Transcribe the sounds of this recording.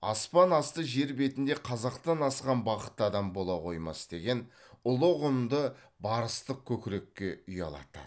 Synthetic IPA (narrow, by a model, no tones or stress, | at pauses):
ɑ̰spɑnɑst̪əʒe̞ɾbe̞t̪ɪnd̪e̞qʰɑzɑqt̪ɑnɑsqɑnbɑqət̪ːəɑd̪ɑmbo̞lˠɑqʰo̞jmɑ̰sd̪̥e̞ɡʲe̞nʊlˠəʁʊmd̪ə | bɑɾəst̪əq̚kʲʰɵkʲɪɾe̞kʲːe̞ʏjɑ̰lˠɑ̰t̪ə̰